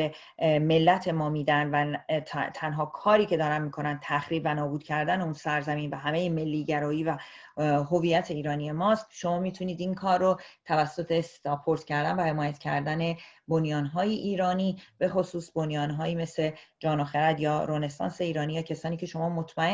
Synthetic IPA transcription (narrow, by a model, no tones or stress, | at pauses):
e | me̞lːæt̪ʰe̞mɒːmiːd̪ænd̪væt̪ʰt̪ʰænɦɒːkʰɒːɾiːcʰe̞d̪ɒːɾænmiːkʰo̞nænd̪t̪ʰæxɾiːbvænɒːbuːd̪cʰæɾd̪æneunsæɾzæmiːnvæɦæme̞jeme̞lːiːɟæɾɒːjiːvæ | ɦo̞viːjæt̪ʰeiːɾɒːnie̞mɒːst̪ʃo̞mɒːmiːt̪ʰuniːd̪iŋkʰɒːrːot̪ʰævæsːo̞t̪ʰest̪ɒpʰo̞ɾt̪cʰæɾd̪ænvæhe̞mɒːjæt̪cʰæɾd̪æne̞bo̞njɒːnɦɒːjiʔiːɾɒːniːb̥e̞xo̞suːsbonjɒːnɦɒːjiːme̞sle̞d͡ʒɒːnoxeɾæd̪jɒːɾoːne̞sɒ̰ːnse̞iːɾɒːniːjɒːcʰesɒːniːcʰe̞ʃo̞mɒːmo̞t̪ʰmæe